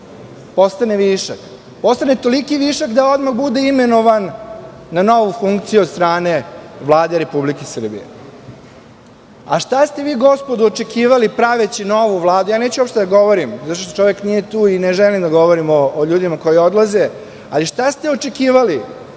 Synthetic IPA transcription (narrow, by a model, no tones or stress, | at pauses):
po̞st̪aneʋiːʃak | po̞st̪anet̪o̞likiʋiːʃakd̪ao̞d̪maxbud̪eime̞no̞ʋanː | ano̞ʋufuŋkt̪sijuod̪st̪ɾaːneʋlˠaːd̪eɾe̞publikesr̩bḭjḛ | a̰ʃt̪ast̪e̞ʋiːɡo̞spod̪uot͡ʃe̞kiːʋalipɾaʋet͡ɕino̞ʋuʋlˠaːd̪ujaːneːt͡ɕuopʃt̪ed̪aɡo̞ʋo̞ɾimzat̪oʃ̬t̪ot͡ʃo̞ʋjeknije̞t̪uːineʒɛlimd̪aɡo̞ʋoɾimoːʎuːd̪imako̞jio̞d̪laze | a̰liʃt̪ast̪eot͡ʃekiːʋali